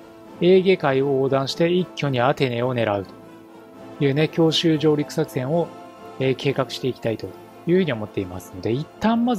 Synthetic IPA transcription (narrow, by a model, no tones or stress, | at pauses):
e̞ːɡʲe̞kaiooːd̪ãɰ̃ɕi̥t̪e̞ikʲːo̞ɲ̟iat̪e̞ne̞o̞ne̞ɾaɯ̟t̪o̥ | jɯ̟ːne̞kʲo̞ːɕɨːʑo̞ːɾʲikɯ̟̥sakɯ̟sẽ̞ɰ̃o̞ | eːke̞ːkakɯ̟̥ɕi̥t̪eikʲi̥t̪ait̪o̞ | jɯ̟ːhɯ̟ɲ̟io̞mo̞t̪ːe̞imasɨ̥no̞d̪e̞it̪ːãmːaz